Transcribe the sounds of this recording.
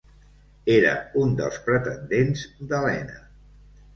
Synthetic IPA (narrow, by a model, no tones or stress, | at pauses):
eɾə̰und̪ə̰lˠspɾət̪ənd̪enzd̪əlɛnə